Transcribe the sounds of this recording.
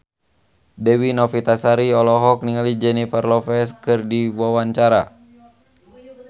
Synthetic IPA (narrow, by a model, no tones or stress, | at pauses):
dɛwinɔfit̪asaɾiɔlɔɦɔk̚niŋalid͡ʒɛnifarlɔfɛskɨrdiwawaɲt͡ʃaɾa